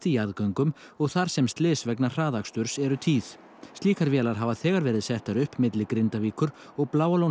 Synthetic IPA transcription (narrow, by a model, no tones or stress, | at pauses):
t̪iaðkœŋkʏm | ɔɣθaɾ̥sɛmst̪lɪːsvɛknar̥aːðakst̪ʏɾ̥sɛɾʏt̪ʰiːθ | st̪liːkaɾvjɛːlaɾ̥ɦaːvaθɛːɣaɾvɛːɾɪðsɛht̪aɾʏhpmɪt̪lɪkɾɪnt̪aviːkʏɾ | ɔɣplaːwalow